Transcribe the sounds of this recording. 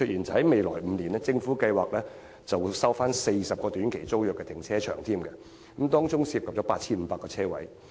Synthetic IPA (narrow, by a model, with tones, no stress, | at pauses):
t͡ʃʰɵ˧t̚jiː˨˩nt͡sɐ˨˩hɐ˨˦jme˨jlɔː˨˩jm̩˨˧niː˨˩nɛ˥t͡sɪ˧ŋfuː˨˥kɐ˧jwaː˨k̚lɛː˥ | t͡sɐ˨wsɐ˥wfaː˥nse˧jsɐ˨p̚kɔː˧t̪yː˨˥nkʰe˨˩jt͡so˥wjœː˨kːɛ˧t̪ɪ˨˩ŋt͡sʰɛː˥t͡ʃʰœ̰ː˨˩ŋt̪ʰiː˥mkɛ˧ | kɐ˨˦mt̪ɔː˥ŋt͡sʊ˥ŋsiː˧p̚kɐ˨p̚t͡ʃɔː˨˦paː˧t̚t͡sʰiː˥nm̩ː˨˦paː˧kːɔː˧t͡sʰɛː˥wɐ̰˨˥j